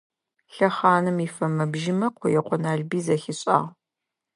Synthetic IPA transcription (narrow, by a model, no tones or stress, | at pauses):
ɬɐχaːnɨmifɐmɐbʒɪmɐqʷʰɔjɛqʷɔnaːɮbiːzɐxɪɕʼa̰ːʁ